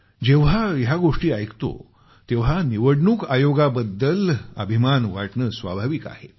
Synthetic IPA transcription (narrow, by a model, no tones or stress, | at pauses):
d͡ʑeʋ̤ajaɡoʂʈiːajkt̪o̰ | t̪eʋ̤aniʋəɽɳuːkajoɡabəd̪ːələ̰bʱimanʋaʈɳəsʋa̰bʱaʋika̰he